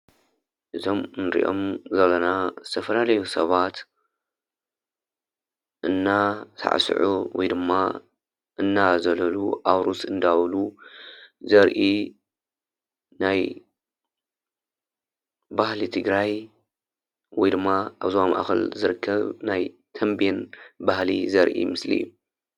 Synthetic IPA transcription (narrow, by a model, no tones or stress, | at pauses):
ʔɨzo̞mnɨɾḭʔo̞̰mzɐlːɐnazɨt̪ʰɐfɐlalɐjusɐβat̪ | ʔɨnːat̪ʰa̰ʕ̰sɨ̰ʕuwɔ̰jd̪ɨmːa | ʔɨnːazɐlɐluʔaβɾusɨnd̪awlu | zɐɾʔi | naj | bahlit̪ʰɨɡɾaj | wɔjd̪ɨmːaʔaβzoama̰ʔa̰xɐ̰lzɨɾɨkʰːɐβnaj | t̪ʰɐmbenbahlḭzɐɾʔḭmɨslḭjːu